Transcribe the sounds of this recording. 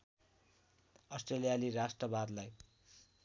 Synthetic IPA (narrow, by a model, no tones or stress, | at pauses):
ʌsʈrelijalirasʈrʌbad̪laj